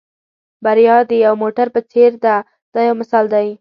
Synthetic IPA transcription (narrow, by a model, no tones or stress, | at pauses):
baɾijɑd̪əjawmoʈaɾpət͡seɾd̪a | d̪̥ɑjawmɪsɑld̪aj